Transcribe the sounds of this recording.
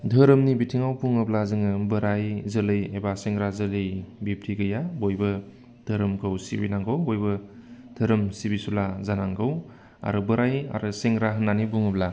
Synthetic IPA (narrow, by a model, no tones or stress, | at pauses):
dʱəɾɯmnibitʰiŋawpʰuŋɯblazɯŋɯbɯɾajzəlɯjebaseŋɾazəlɯjbip̚tʰiɡɯjabojbɯ | d̥ʰʱɯɾɯmkʰawsḭbḭnaŋɡɯwbojbɯ | dʰʱəɾɯmsibisulazanaŋɡɯw | a̰ɾɯbɯɾaja̰ɾɯseŋɾaɦɯnːanibuŋɯbla